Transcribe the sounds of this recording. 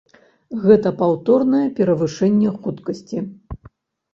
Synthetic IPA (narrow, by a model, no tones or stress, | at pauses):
ɣɛt̪ɐpawt̪ɔrnɐjɛpʲɛɾɐvɨʂɛnʲːɛxut̪kɐsʲt͡sʲi